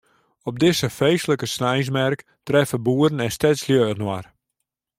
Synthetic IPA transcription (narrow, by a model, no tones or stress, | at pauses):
ɔb̚dɪsəfejsələkəsnɛjs̬mɛrk | trɛfəbuəɾənɛnstɛsljøːnwa̰r